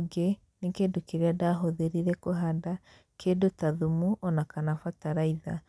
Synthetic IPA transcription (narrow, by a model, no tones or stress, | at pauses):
ɡe | nekedokeɾeadaɦoðeɾiɾɛkoɦada | kʰedotaðumuʔɔnakanafataɾaiða